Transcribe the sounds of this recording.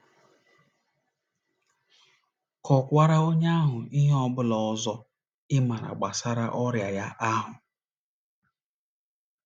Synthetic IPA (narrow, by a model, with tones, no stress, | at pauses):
kɔ˨kʷa˦ɾa˦o˦ɲa˦ɦʊ˨i˦ɦɔ˦bʊ˦lɔ˨˦zɔ˦ | ɪ˦ma˨ɾa̰˨ɡ͡ba˨sa˦ɾa˦ʔɔ˦ɾja˨ja˦ʔa˦ɦʊ˨